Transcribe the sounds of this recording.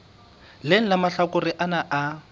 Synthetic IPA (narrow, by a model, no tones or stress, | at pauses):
lɪn̩lamaɬakʊrɪʔanaʔa